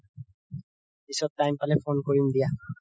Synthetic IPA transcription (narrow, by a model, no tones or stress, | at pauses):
pisɔp̚tajmpalɛfʰonkoɹimd̪ija